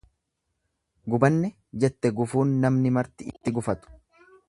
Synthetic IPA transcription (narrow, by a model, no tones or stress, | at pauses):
ɡʊbɐnːɛ | d͡ʒɛt̪ːɛɡʊfuːnːɐmnɪmɐɾt̪ɪɪt̪ːɪɡʊfɐt̪ʊ̥